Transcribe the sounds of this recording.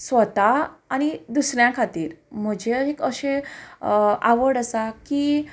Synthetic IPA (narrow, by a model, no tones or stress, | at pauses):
sʋət̪aːñid̪usɳjãkʰat̪iːɾm̤əd͡ʑʱeəikəɕẽ | aʋəɽəsaki